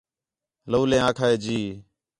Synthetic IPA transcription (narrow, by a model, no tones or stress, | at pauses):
loːlẽːãːkʰaːeːd͡ʒiː